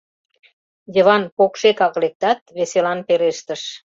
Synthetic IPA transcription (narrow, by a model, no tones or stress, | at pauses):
jəβɑnpokʃekɑɣlek̚t̪ɑt̪̚βeselɑnpeɾeʃt̪əʃ